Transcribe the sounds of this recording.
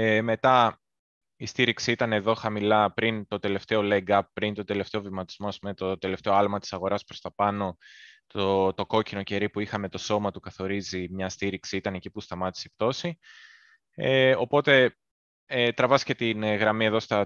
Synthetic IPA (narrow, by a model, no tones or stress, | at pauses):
me̞t̪ɐ | ist̪iɾiksiit̪ɐne̞ðo̞xɐmilɐpɾint̪o̞t̪e̞le̞ft̪e̞o̞leɡɐp̚ːɾint̪o̞d̪e̞le̞ft̪e̞ovimɐt̪i̥zmo̞ɐspumet̪od̪e̞le̞ft̪e̞oɐlmɐt̪i̥sɐɣo̞ɾɐspɾo̞st̪ɐpɐno̞t̪ot̪o̞ko̞cinoce̞ɾipuixɐme̞t̪o̞so̞mɐt̪ukɐθo̞ɾizimɲɐst̪iɾiksiit̪ɐne̞cipust̪ɐmɐt̪i̥sept̪o̞si | eo̞po̞t̪e̞ | et̪ɾɐvɐsce̞t̪inɣɾɐmie̞ðo̞st̪ɐ